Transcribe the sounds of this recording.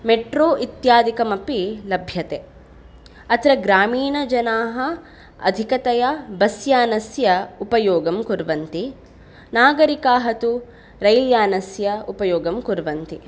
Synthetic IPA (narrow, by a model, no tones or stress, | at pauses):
meʈɾoːʔit̪jaːd̪ikɐmɐpilɐbʱjɐt̪e | ɐt̪ɾɐɡɾaːmiːnɐd͡ʒɐnaːɦɐ | ɐ̰d̪ʱikɐt̪ɐjɐbɐsjaːnɐsjɐupɐjoːɡɐmkuɾʋɐnt̪i | naːɡɐɾikaːɦɐt̪u | ɾɐjljaːnɐsjɐupɐjoːɡɐmkuɾʋɐnt̪i